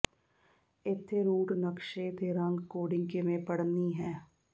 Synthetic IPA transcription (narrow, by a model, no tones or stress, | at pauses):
ɪt̪ʰːeɾuːʈnɐkʃeːt̪eɾɐ̃ŋɡkoːɖɪ̃ŋkemẽpɐɽniɦɛ̃ː